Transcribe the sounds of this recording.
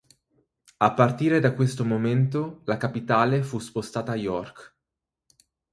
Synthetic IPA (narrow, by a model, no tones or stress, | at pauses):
apːart̪iːɾed̪akːwest̪omoment̪olakapit̪aːlefuspost̪aːt̪aːjɔrk